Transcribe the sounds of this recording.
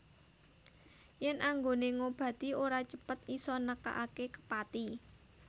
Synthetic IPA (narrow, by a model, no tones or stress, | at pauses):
jɛnʔaŋɡoneŋob̥ä̤t̪ioɾat͡ʃəpət̪̚isɔnəka̰ʔakekə̥pat̪i